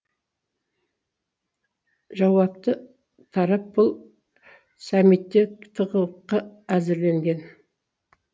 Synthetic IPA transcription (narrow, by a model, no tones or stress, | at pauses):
ʒɑwɑp̚t̪ə | t̪ʰɑɾɑp̚bʊlˠ | sɑmit̪ːekt̪ʰəʁəwqːɑæzɪɾle̞ŋɡʲe̞n